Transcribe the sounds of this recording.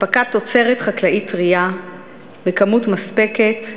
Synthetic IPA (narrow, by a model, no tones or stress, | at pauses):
pakat̪o̞t͡se̞ʁetχaklaʔitʁia | bekamutmaspe̞ke̞t